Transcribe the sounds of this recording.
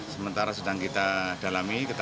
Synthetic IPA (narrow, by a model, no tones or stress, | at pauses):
səmənt̪aɾasədaŋkit̪ad̥alamikət̪